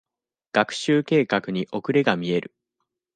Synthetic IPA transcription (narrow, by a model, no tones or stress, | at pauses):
ɡ̥akɯ̟̥ɕɨːke̞ːkakɯ̟ɲ̟iʔo̞kɯ̟ɾe̞ɡamʲie̞ɾʔɯ̟